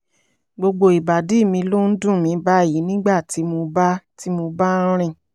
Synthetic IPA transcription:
ɡ͡bo˧ɡ͡bo˧i˨ba˨di˨˦˨mĩ˧lo˦n̩˦dũ˦˨mĩ˧˦ba˦˨ji˨˦nĩ˦ɡ͡ba˦˨ti˨˦mo˧ba˦ti˦mo˧ba˦ɾ̃ĩ˧

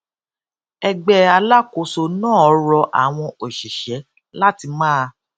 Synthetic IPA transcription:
ɛ˧ɡ͡bɛ˧a˧la˦ko˨˧so˧nãː˦˨ɔ˨˦ɾɔ˧ʔa̰˨w̃ɔ̃˧o˨ʃi˨ʃɛ˨˦ | la˦ti˧mãː˦˧

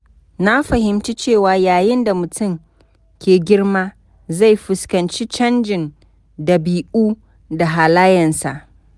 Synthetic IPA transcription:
na˦ɸɐ˨hɪ˨mt͡ʃi˦t͡ʃeː˦˨waː˨jaː˨jɪ˦nda˨mʊ˨tʊ˦˨m | kʲeː˨ɡʲɪ˦rmaː˦ | za˦˨jɸʊ˨skɐ˨nt͡ʃi˦t͡ʃɐ˦nd͡ʒɪ˨n | dɐ˨biː˨ʔuː˦ | da˨ɦaː˨laː˦jɐ˨nsa˨ʔ

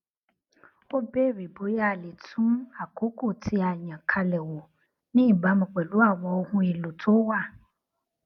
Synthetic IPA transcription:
wo˦be˦wi˨bo˨˦ja˦˨le˨tʰũ˦ma˨ko˦ko˦˨tʰi˦a˨ɲã˨kʰa˦lɛ˨wo˨ | nɪ̃˦˨ba˦mẽ˨k͡pɛ˨lu˦a˦˨wɔ˨wo˦hũ˦ji˨lo˨tʰo˦wa˦˨

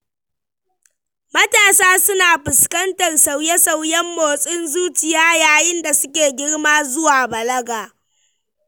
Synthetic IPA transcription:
mɐ˦taː˨saː˦sʊ˦naː˨ɸɪ˨skɐ˦ntɐ˨rsa˨wjɛ˦sa˦wjɛ˦mːoː˨sʼɪ˦nzuː˦t͡ʃɪ˨jaː˦jaː˨jɪ˦nda˨sʊ˦k̬ʲeː˨ɡʲɪ˦ɽmaː˦zʊ˦waː˨bɐ˨lɐ˦ɡaː˨

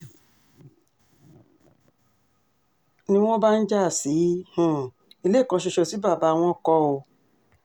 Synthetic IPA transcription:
nĩ˧w̃ɔ̃˦ba˦n̩˦d͡ʒa˦˨si˨˦h̩˨ | i˧le˦˨kɔ̃˧ʃe˧ʃɔ˧˨si˨˦ba˦˨ba˨˦˧w̃ɔ̃˧kɔ˧o˧

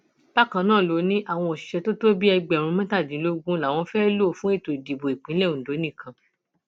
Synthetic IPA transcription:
b̥a˦˨kã˧nãː˦˨lo˨˦nĩ˦ʔa˦˨w̃ɔ̃˧ɔ˨ʃi̥˨ʃɛ˧to˦to˦bi˦ɛ˧ɡ͡bɛ˨ɾ̃ũ˧mã˦ta˦˨dĩ˨˦lo˦ɡũ˦la˨w̃ɔ̃˧fɛ˦lo˦˨fũ˦e˦˨to˨di˨bo˨e˨k͡pĩ˨˦lɛ˦˨ũ˨do˨˦nĩ˦˨kã˧˦

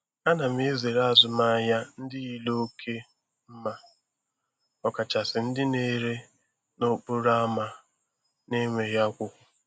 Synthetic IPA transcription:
a˦na˨m̩˦e˦ze˨ɾa˦a˨zʊ˨ma˦ja˦n̩˦dɪ˦i˦lo˦o˦kʰe˦ | m̩˦ma˨ | ɔ˦ka˨t͡ʃa˨sɪ˨n̩˦dɪ˦ne˦ɾe˦ | no˦k͡pʊ˦ɾa˦a˦ma˨ | ne˦ŋʷe˨ja˦kʷʊ˦kʷʊ˨

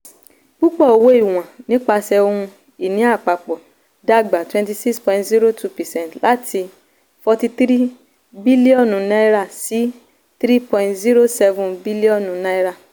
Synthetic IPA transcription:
k͡pu˦k͡pɔ˦˨o˨wo˦i˦˨w̃ã˨nĩ˨˦k͡pa˧sɛ˧õ˧ũ˧ | i˦˨nĩ˨˦a˦˨k͡pa˨k͡pɔ˨ | da˦ɡ͡ba˨twɛ̃˧nti˧si˦kspɔ̃˧ĩ˦ntzi˦ɾo˦tʰu˧pɛ˨sɛ̃˦n˨tla˨˦tʰi˧ | fɔ˧ti˧t̪ɾi˦ | bi˦li˦ɔ̃˦˨nũ˨na˦ɾa˦˨si˨˦ | t̪ɾi˦pɔ̃˧ĩ˧ntzi˦ɾo˦sɛ˧vũ˨bi˦li˦ɔ̃˦˨nũ˨na˦i˦ɾa˦˨

